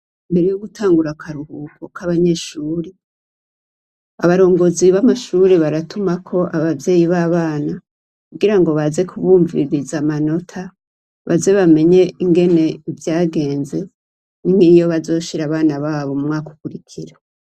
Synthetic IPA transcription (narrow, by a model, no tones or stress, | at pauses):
imbe̞ɾejoɡutʰaːŋɡuɾakʰaɾuhuːkʰo̞kaβaɲe̞ʃuːɾe | aβaɾo̞ːŋɡo̞ziβamaʃuːɾeβaɾatumakʰo̞ʔaβavje̞ːjiβaːβaːna | kuɡiɾaŋɡo̞βaze̞kʰuβuːɱvḭɾizamano̞tʰa | βa̰ze̞βame̞ɲe̞iŋɡe̞ne̞ivjaːɡe̞ːnze̞ | niŋijo̞βazo̞ːʃiɾaβaːnaβaːβo̞mumŋaːko̥kuɾikʰiɾa